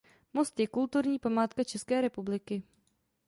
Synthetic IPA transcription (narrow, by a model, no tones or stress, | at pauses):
most̪jɛkult̪uɾɲiːpamaːt̪kat͡ʃɛskɛːɾɛpublɪkɪ